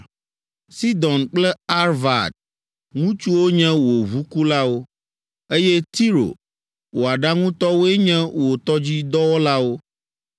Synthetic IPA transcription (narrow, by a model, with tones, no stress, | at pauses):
si˦d̪ɔ̃˨nk͡plɛ˦a˦ɾva˨d̪̚ | ŋũ˦t͡ʃu˦wo˦ɲɛ̃˦wo˨βu˦ku˦la˦wo˦ | e˦jɛ˦t̪i˦ɾo̰˨ | wo˨a˨ɖa˦ŋũ˦t̪ɔ˦wo˦ɛ˦ɲɛ̃˦wo˨t̪ɔ˦d͡ʑi˦d̪ɔ˦wɔ˦la˦wo˦